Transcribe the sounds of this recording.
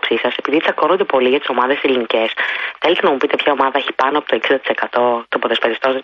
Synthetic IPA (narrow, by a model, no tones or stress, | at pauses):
psisɐse̞piðit̪i̥sɐko̞nod̪e̞po̞liʝɐt̪i̥so̞mɐðe̞selinice̞sθelet̪enɐmupit̪epçɐo̞mɐðɐeçi̥pɐnoɐpot̪oeksind̪t̪i̥se̞kɐt̪o̞t̪o̞poðespeɾist̪o̞z